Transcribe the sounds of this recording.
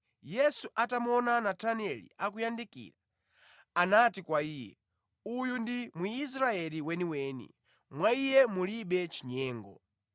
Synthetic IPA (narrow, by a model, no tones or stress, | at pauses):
jɛsuʔatamɔnanatʰaniɛlḭak̬ujandikḭːɾa | anatikwaiːjɛ̰ | ujundimwuːs̬ɾaɛliwɛniwɛːnḭ | mwaijɛmuliɓɛt͡ʃiɲɛːŋɡɔ̰